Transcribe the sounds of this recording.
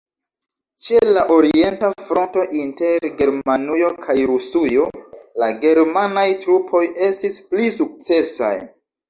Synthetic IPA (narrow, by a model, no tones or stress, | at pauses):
t͡ʃe̞laʔo̞ɾie̞ntafɾo̞nto̞ʔinte̞ɾɡe̞ɾmanujo̞kʰajɾusujo̞laɡe̞ɾmanajtɾupʰo̞je̞stisplisuk̚t͡se̞sa̰j